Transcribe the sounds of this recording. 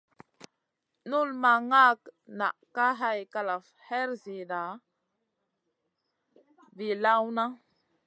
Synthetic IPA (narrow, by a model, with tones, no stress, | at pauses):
nu˦lma˨ŋa˦kna̰˨ʔka˦ɦa˦jka˨la˨f | he˦ɾzi˨da˨ | vi˨la˦wna˦